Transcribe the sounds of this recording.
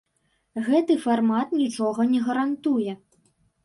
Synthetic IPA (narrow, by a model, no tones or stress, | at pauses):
ɣɛt̪ɨfarmat̪nʲit͡ʂɔɣɐnʲɛɣɐɾant̪ujɛ